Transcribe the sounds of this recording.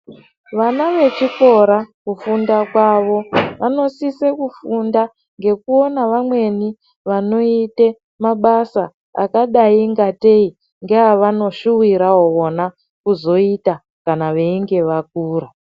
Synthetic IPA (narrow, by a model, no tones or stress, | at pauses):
ʋanaʋe̞t͡ʃiko̞ɾakufundakwaʋo̞ʋano̞sisekufunda | ŋɡe̞kuo̞naʋamwe̞ni | ʋano̞ite | maɓasa | a̰kaɗaiŋɡate̞i | ŋɡeaʋano̞ʃuwiɾaoona | kuzo̞ita | kanaʋe̞iŋɡe̞ʋak̚uːɾa